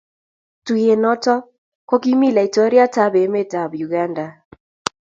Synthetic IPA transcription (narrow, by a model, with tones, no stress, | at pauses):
tu˨je˨nɔ˦tɔ˦ | kɔ˦ki˦mi˦la˨i˨tɔ˦ɾja˦ta˦be˨˦me˦ta˨bju˨ɡa˦nda˨